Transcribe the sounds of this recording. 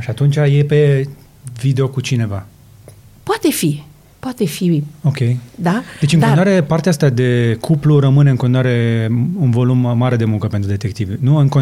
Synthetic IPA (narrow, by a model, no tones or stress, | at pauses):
ʃiat̪unt͡ʃajepe̞ | vid̪eo̞kut͡ʃine̞va | poat̪e̞fi | poat̪efio̞kʲe̞jd̪ad̪̥e̞t͡ʃʲɨnŋkonoaɾe̞paɾrt̪eaast̪ad̪e̞kʰupluɾəmɨne̞ɨŋkonowaɾe̞unvo̞lumːaɾe̞d̪e̞muŋkəpe̞nt̪ɾud̪e̞t̪e̞k̚t̪ivnuɨŋko